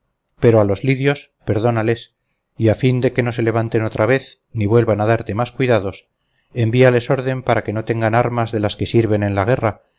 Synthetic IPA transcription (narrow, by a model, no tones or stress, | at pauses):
pe̞ɾo̞alo̞zliðjo̞s | pe̞ɾðo̞nale̞s | iafind̪e̞ke̞no̞s̬e̞le̞β̞ant̪e̞no̞t̪ɾaβe̞θ | niβwe̞lβanaðaɾt̪e̞maskwiðaðo̞s | e̞mbiale̞so̞ɾðe̞mpaɾake̞no̞t̪eŋɡanaɾmazðe̞laske̞siɾβe̞nẽ̞nlaɣ̞e̞ra